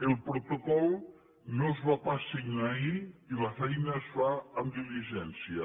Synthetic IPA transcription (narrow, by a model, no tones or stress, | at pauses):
elˠpɾot̪okɔl | nõzβapaseŋaiilafɛjnɐzβaamd̪iliʒɛnsjɐ